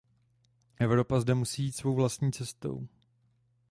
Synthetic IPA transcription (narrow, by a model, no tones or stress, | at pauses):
ʔɛvɾo̞pazdɛmusiːjiːt̪svo̞wvlast̪ɲiːt͡sɛst̪o̞̰w